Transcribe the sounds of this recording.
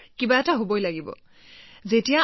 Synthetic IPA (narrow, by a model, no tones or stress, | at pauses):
kibaɛtaɦobojlaɡibɔ̰ | zetija